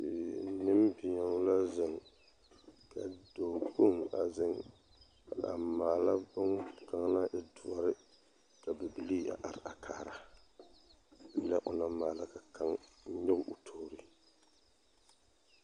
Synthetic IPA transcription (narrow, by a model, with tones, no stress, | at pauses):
nɨ˦mbɪ˨ɲa˨ŋ˦la˦zɨ˨ŋ | ka˨do˨ɡu˦ŋa˨zɪ˦ŋ | ka˨da̰˨maː˨la˦bʊ˦ŋka˨ŋla˦ʔɪ˦dʊ˨ɔ˨ɾɪ˦ | ka˨bɛ˨bi˨li˦a̰˨ʔa˨ɾɪ˨a˨kʰaː˨ɾa˨ | i˨˦la˦ʔʊ̰˨na˦maː˨la˦ka˨ka˦ŋ̩˦ɲɪ˦ɡʊ˦ʔʊ˨tʰo˨ɾi˨